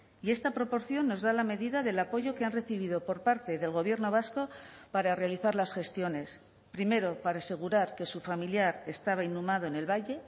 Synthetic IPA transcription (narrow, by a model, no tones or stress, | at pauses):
ie̞st̪apɾo̞po̞ɾθjo̞nːo̞zðalame̞ðiðaðe̞lapo̞ʝo̞keanre̞θiβiðo̞po̞ɾpaɾt̪e̞ðe̞lɣo̞β̞je̞ɾno̞β̞asko̞paɾare̞aliθaɾlasxe̞st̪jo̞ne̞s | pɾime̞ɾo̞paɾase̞ɣ̞uɾaɾke̞sufamiljaɾe̞st̪aβ̞ainːumað̞o̞ene̞lβaje̞